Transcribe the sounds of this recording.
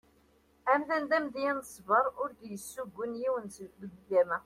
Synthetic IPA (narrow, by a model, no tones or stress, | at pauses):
æmðænd̪æmd̪iænəsˤvəɾˤʊɾd̪jəsːuɡʷːənjiwənbəɡɡæmæ